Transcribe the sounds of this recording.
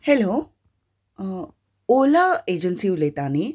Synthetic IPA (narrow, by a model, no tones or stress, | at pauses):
helo | olaed͡ʑənsiulet̪ani